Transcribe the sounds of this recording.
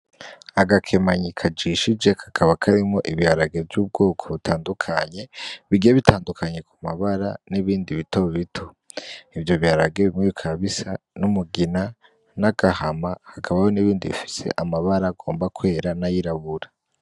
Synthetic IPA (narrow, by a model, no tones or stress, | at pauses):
aɡakʰe̞maɲikʰad͡ʒiʃid͡ʒe̞kʰḁkʰaβakʰaɾimŋo̞ʔiβjaɾaɡe̞vɟuːb̚ɡo̞ːkʰo̞βutʰaːndukʰaɲe̞βiɡieβitʰaːndukʰaɲe̞kumaβaɾa̰niβiːndiβitoβitʰo̥ | ivjo̞βjaɾaɡe̞βimŋeβikʰaβisa | numuɡina | naɡ̥ahamahakʰaβajo̞niβiːndiβḭfi̥se̞̰ʔamaβaɾaɡo̞ːmbakwe̞ːɾanajiɾaβuɾa